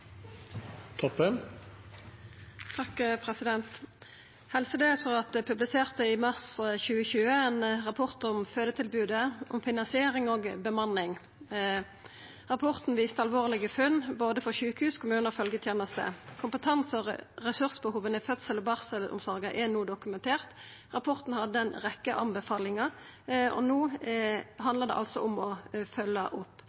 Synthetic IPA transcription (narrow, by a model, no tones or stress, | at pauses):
t̪ʰɔpːən | t̪ʰɑkpʰʁɛsɪd̪ɛnt̪ | hɛlsəd̪eːt̪fɔʁɑt̪̚d̪ɛpʰʉblɪseːʁt̪əɪmɑʁsçʉːəçʉːəenʁɑpʰɔʁt̪ʊmføːd̪ət̪ʰɪlbʉːd̪əɔmfɪnɑnsɪeːʁɪŋoːɡbəmɑnːɪŋ | ʁɑpʰɔʁt̪n̩ʋiːst̪əɑlʋoːʁlɪɡəfʉnboːd̪əfɔʁɕʉːkhʉːskʰʊmʉːnəʁfœlɡət̪ʰjeːnəst̪ə̰kʰʊmpət̪ʰɑnsəʁʁɛsʉʁsbəhuːʋənəɪfœt̪səlɔbɑʁsəlʊ̰msɔʁɡəʔɛnuːd̪ʊkʉmɛnt̪ʰeːʁt̪ | ʁɑpʰɔʁt̪n̩hɑd̪d̪ɛnʁɛkːəʔɑmbəfɑːlɪŋɑ | ɔ̰nuː | ɦɑnd̪əʁd̪ɛ̰ʔɑ̰lsɔʊmɔfœlːəʔʊpː